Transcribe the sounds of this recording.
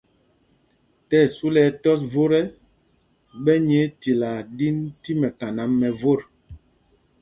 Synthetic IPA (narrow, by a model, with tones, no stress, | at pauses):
tɛ˦˨su˦lɛ˨˦tɔ˦s̬vo˦ɾɛ˦ | ɓɛ˦ɲe˦ti˨la˨di˦nti˦mɛ˨ka˨na˨˦mːɛ˨vo˦˨ɾ